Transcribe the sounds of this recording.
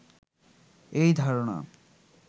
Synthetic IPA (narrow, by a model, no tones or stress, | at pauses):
ejd̪ʱaɾona̰